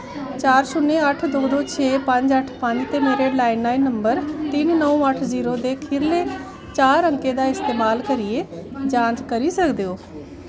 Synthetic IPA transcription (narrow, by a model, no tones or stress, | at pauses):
t͡ʃaːɾsʊnːeəʈʰd̪oːd̪oːt͡ʃʰeːpə̃ɲd͡ʒəʈʰpə̃ɲd͡ʒt̪eːmeːɾeɖlaːɪnːaːinːəmbəɾt̪iːnnəũːəʈʰziːɾod̪eːkʰɪɾle | t͡ʃaːɾə̃ŋked̪aːɪst̪eːmaːlkəɾied͡ʒãːnd͡ʒkəɾisəkd̪ejoː